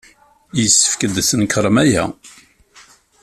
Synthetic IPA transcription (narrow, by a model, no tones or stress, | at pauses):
jəsːə̥fkəd̪sənkʰɾˤəmæjæ̰